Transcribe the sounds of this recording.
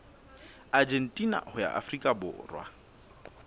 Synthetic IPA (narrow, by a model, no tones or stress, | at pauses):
ad͡ʒen̩tʼina̰hʊja̰ʔa̰frikʼabʊ̰rwa̰